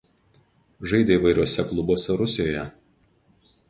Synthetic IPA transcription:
ʒɐɪd̪ʲeiʋɐɪɾʲuɔsʲɛklˠʊboːsʲɛɾʊsʲɪjoːjɛ

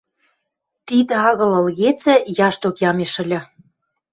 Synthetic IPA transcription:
t̪id̪ə̆ɑɣɤ̆lə̆lɣet͡sɘ̆jɑʃt̪okjɑmeʃə̆lʲɤ̆

